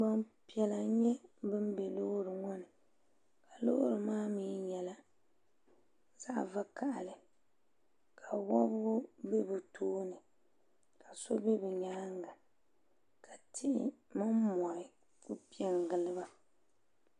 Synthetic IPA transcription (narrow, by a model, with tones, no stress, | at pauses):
ɡ͡ba˦npi˨ɛ˨la˨˦ɲɛ˦bɨ˦m˦bɛ˨lo˦ɾɨ˨ŋɔ˦nɨ˨ | ka˨lo̰˦ɾɨ˨maː˦miː˨˦ɲɛ˨la˨ | za˦˨va˦ka˨ʔa˨lɨ˨ | kʰa˨wɔ˦bʊ˦ɡʊ˦be˦bɨ˨tʰoː˦nɨ˨ | ka˨so˦be˦bɨ˨ɲaː˦ŋɡa˨ | kʰa˨tɪ˦ʔɪ̰˦mɨ˦mmɔ˨ɪ˨ | kʊ˦pi˦ɛ˨ŋɡɨ˨lɨ˦ba˦